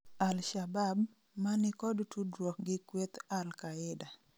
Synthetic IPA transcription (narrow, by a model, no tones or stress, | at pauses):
alʃabab | manɪkɔdtudɾwɔk̚ɡɪkwet̪alkaɪda